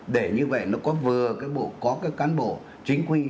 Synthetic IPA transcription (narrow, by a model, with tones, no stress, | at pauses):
ɗe˧˩ɲɨ˧və̰˧˨jnɔ˨˦kɔ˨˦vɨ˨˩əkaː˨˦jɓo̰˧˩˨kɔ˨˦kaː˨˦jkaː˨˦nɓo̰˧˩˨ | t͡ɕï˨˦ŋ̟kwi˧